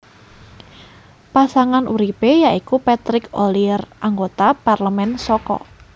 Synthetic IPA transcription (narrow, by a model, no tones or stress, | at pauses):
pasaŋanʔuɾipejaikupat̪ɾɪkolirʔaŋɡot̪aparləmɛnsɔkɔ̰